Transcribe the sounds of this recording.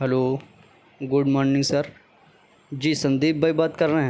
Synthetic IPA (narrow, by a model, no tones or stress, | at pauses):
ɦɛloː | ɡʊɽmɔːɾnɪ̃ŋɡsɐɾ | d͡ʒiːsɐ̃nd̪eːbʱːajbaːt̪kɐɾːɐɦɛ̃